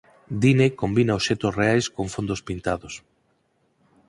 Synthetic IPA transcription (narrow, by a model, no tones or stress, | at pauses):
d̪inekombinaosʃɛt̪osreajskoɱfond̪ospint̪aðos